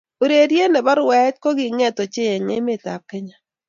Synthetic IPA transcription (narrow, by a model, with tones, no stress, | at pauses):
o˨ɾe˨dje˦nɛ˨ba˦ɾwɛ˦t̚ko˦ɡɪ˨ŋɛ˦to˨t͡ʃɪ˦ɛ˨ŋḛ˦mɪ˦˨ta̰˨p̚kɛ˦ɲa˨